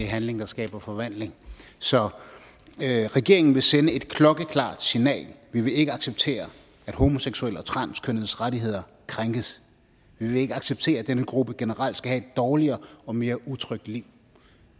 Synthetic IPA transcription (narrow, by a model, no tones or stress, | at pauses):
eæɦænle̝ŋd̥ɑ̈sɡ̥ɛ̰ːb̥ɐfɒ̽ʋæn̰le̝ŋsɒ̽ | ʁɛɡ̥e̝ɐ̰eŋn̩ʋe̝senəe̝d̥kʰlɒ̽ɡ̥əkʰlɑ̰̈ːd̥sinɛ̰ːlʋiʋe̝e̝ɡ̥əɑ̈ɡ̥seb̥̚t͡sʰe̝̰ːɐ | æd̥ho̝mo̝seɡ̥suel̰ɒ̽t͡sʰʁɑ̈n̰skʰønðˠsʁaɾiɦe̝ð̞̰ˠɐ | kʰʁaŋɡ̥əs | ʋiʋe̝e̝ɡ̥əɑ̈ɡ̥seb̥̚t͡sʰe̝̰ːɐæd̥enəɡ̥ʁub̥əɡ̥enəʁal̰d̥sɡ̥æɦhɛe̝d̥ːɒːliɐːɒ̽me̝ːɐʔut͡sʰʁœɡ̥̚d̥liʊ̰